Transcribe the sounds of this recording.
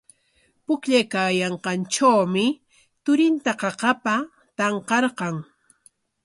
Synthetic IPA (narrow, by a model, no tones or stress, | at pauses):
pʊkʎajkaːjɑɴqɑnʈ͡ʂawmɪ | t̪ʊɾɪnt̪aqɑqɑpa | t̪ɑɴqɑɾqɑŋ